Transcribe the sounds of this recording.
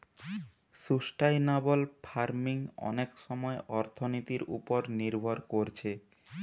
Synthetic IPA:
ʃuʃʈajnabolpʰaɾmiŋɔ̰nekʃɔmɔeʔɔɾt̪ʰonit̪iɾṵpoɾniɾbʱoɾkoɾt͡ɕʰe

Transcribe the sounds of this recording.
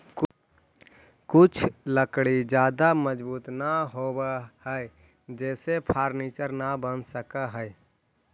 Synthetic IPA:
kut͡ʃʰləkɽid͡ʒad̪aməd͡ʒbuːt̪naɦobəhəe | d͡ʒɛsepʰaɾnet͡ʃəɾnabənsəkəɦəj

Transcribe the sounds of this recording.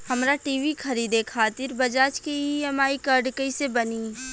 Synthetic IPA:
hɐmɾaʈiːʋikʰɐɾiːd̪ekʰaːt̪ɪɾbɐd͡ʒaːt͡ʃkiɛmaːikəɾɖkəisebɐniː

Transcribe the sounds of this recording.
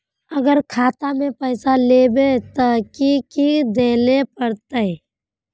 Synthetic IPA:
ɐɡəɾkʰaːt̪amẽpɛːsaleːbet̪okikid̪eːlepəɾt̪aɛ

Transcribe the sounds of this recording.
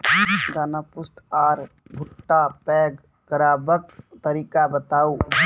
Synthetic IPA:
d̪aːnapʊsʈaːɾbʱʊʈːapɛːɡ | kəɾaːbək̚t̪əɾiːkabət̪aːu

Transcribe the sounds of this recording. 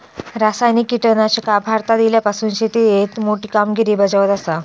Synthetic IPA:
ɾasajnikːiʈənat͡ɕəkabʱaɾt̪ad̪iljapasuːnɕet̪ijet̪moʈiːkamɡʱiɾiːbəd͡zaʋət̪asa

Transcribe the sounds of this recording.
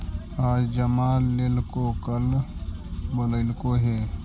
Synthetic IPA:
aːd͡ʒd͡ʒəmaːlːeːlkokəl | bələɪlkoɦɛː

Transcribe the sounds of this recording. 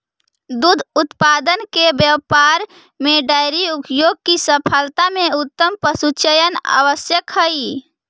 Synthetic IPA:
d̪ud̪ʱʊt̪pad̪ənkebjəwpaɾ | meɖaɾiupjoːɡ̚kisəpʰəlt̪amẽʊt̪ːəmpəsut͡ʃəjəna̰ʋəsjəkɦəi

